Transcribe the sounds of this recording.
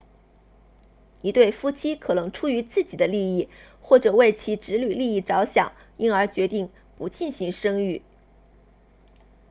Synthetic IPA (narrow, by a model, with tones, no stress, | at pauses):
i˧˥t̪we˥˩ɪfu˥˩t͡ɕʰi˥kʰɤ˨˩nɤ˧˥ŋʈ͡ʂʰu˥y˧˥t͡sɹ̩˥˩t͡ɕi˨˩d̪ə˦li˥˧i˥˩ | xwɔ˥˩ʈ͡ʂɤ˨˩we˥˩ɪt͡ɕʰi˧˥ʈ͡ʂɻ̩˧˥ly˨˩li˥˧i˥˩ʈ͡ʂɑ˧˥ʊɕjɑ˨˩˦ŋ | i˥nə˞˧˥t͡ɕɥɛ˧˥t̪i˥˩ŋ | pu˧˥t͡ɕi˥˩nɕi˧˥ŋʂɤ˥ŋy˥˩